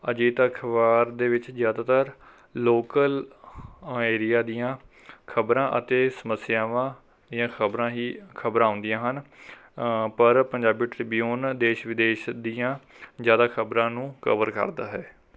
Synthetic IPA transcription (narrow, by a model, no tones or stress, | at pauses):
ə̰d͡ʒiːt̪kʰəʋaːɾd̪eːʋɪt͡ʃzjaːd̪aːt̪əɾ | loːkəl | eːɾjaːd̪ijãː | kʰəbɾãːʔə̰t̪eːsəməsɪjaːʋãː | d̪ijãːkʰəbɾãːɦiːkʰəbɾãːʊ̃nd̪ijãːɦən | pəɾpəɲd͡ʒaːbiːʈɾɪbijoːnd̪eːʃʋɪd̪eːʃd̪ijãː | zjaːd̪aːkʰəbɾãːnũːkə̰ʋəɾkə̰ɾd̪a̰ːɦɛː